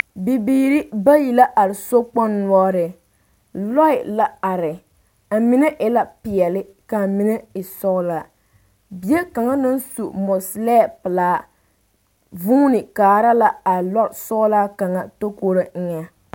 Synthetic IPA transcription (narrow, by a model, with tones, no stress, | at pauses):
bi˨biː˦ɾi˦ba˦ji˨la˦ʔa˨ɾɪ˨so˦k͡pɔ˦nːwɔ˦ɾɪ˨ | lɔ˦ɪ˨la˦a˨ɾɪ˨ | a˨mi˦nɛ˦ʔɪ˦la˦pɪ˨ɛ˨lɪ˦ | ka˨mi˦nɛ˦ɪ˨sɔ˦ɣʊ˦la˨ | bi˨je˦ka˨ŋa˦nɨ˦n˦su˨mɔ˨slɛ˦˨pɨ˨laː˦ | vuː˦nɪ˨kaː˨ɾa˦la˦a˨lɔ˦ɾsɔ˦la˦ka˨ŋa˦to˦ko˦ɾo˦ŋ̩˦ɲa˦